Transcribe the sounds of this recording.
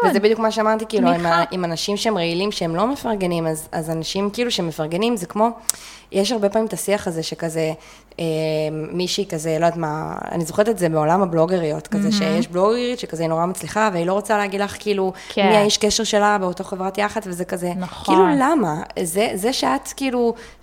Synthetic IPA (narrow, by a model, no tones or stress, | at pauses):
vezebid̪jukmaʃeamaʁt̪ikiːluimaimanaʃimʃeemʁeilimʃeemlo̞me̞faʁɡe̞nimazazanaʃimkiːluʃeemefaʁɡe̞nimzekmo̞ | jʔeʃ̬haʁbe̞paːmimt̪asiaχazeʃekaze | emmiʃeikazelodatmaa̰nizoχeʁetetzebeo̞lamablo̞ɡeʁiot̪kazeʃejeʃblo̞ɡeʁitʃekazeino̞ʁamat͡sliχaveailo̞ʁot͡saleaɡid̪laχkiiːlukmiajiʃkeʃe̞ʁʃe̞labeotaχevʁatjaχatvezekazekiːlulamazezeʃeatkiːlu